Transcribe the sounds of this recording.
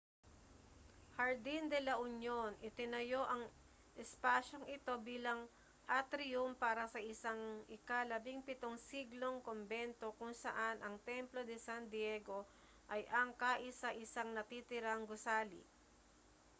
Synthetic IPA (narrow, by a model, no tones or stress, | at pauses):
hɐɹd̪ind̪ɛlɐʔʊɲjonʔɪt̪ɪnɐjo̞ʔɐŋ | ʔɛspaːʃoŋɪt̪o̞biːlɐŋ | ʔɐt̪ɾɪjumpaːɾɐsɐʔɪsaŋʔɪkalɐbiŋpɪt̪o̞ŋsiɡlo̞ŋkombɛnt̪o̞kʊŋsɐ̰ʔanʔɐŋt̪ɛmplo̞d̪ɛsand̪jɛɡo̞ | ʔɐjʔɐŋkaːʔɪsɐʔɪsaŋnɐt̪it̪ɪɾaŋɡʊsaːlḭ